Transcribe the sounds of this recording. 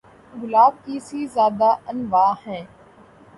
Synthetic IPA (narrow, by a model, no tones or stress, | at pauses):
ɡʊlaːb̚kiːsiːzjaːd̪aːʔənʋaːhɛ̃ː